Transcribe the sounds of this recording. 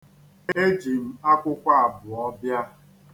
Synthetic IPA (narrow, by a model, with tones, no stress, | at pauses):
e˦d͡ʒi˨m̩˦a˦kʷʊ˦kʷa˦a˨bʊ˨ɔ˦bja˦